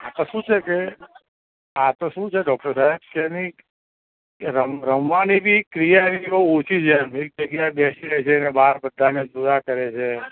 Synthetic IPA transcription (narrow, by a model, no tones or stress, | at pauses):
at̪oʃũt͡ʃʰeke | at̪oʃũt͡ʃʰeɖɔk̚ʈəɾsaeb̚keni | ɾəɾəmʋanibʱikɾijaniout͡ʃʰid͡ʒʰemek̚d͡ʒəɡjajbesiɾəit͡ʃʰenebaɾbəd̪ʱːaned͡ʒuɾakəɾet͡ʃʰe